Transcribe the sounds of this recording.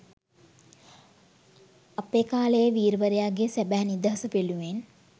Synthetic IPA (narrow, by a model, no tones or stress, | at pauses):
apeːkaːləjəʋiːɾʋəɾejaɡesæbæɦnid̪əɦɐsəpeluʋen